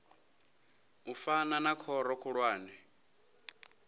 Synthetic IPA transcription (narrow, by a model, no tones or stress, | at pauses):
ufananakʰɔɾɔkʰuɺwaːnɛ